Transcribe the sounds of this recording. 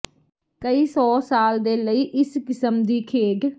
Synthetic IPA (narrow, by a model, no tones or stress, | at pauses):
kəiːsɔːsaːld̪eːləiːʔɪskɪsəmd̪iːkʰeːɖ